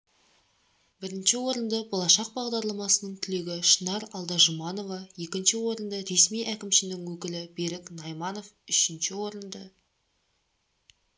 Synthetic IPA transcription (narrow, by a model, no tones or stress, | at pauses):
bɪɾɪnʃɪwo̞ɾənd̪əbo̞lˠɑʃɑq̚bɑʁd̪ɑɾlˠɑmɑsənəɴt̪ʰɪle̞ɡʲɪʃənɑɾɑlˠd̪ɑʒʊmɑno̞vɑje̞kʲɪnʃɪwo̞ɾənd̪əɾe̞smijʔækʲɪmʃɪnɪŋwɵkʲɪlɪbe̞ɾɪknɑjmɑno̞fʏʃɪnʃɪwo̞ɾənd̪ə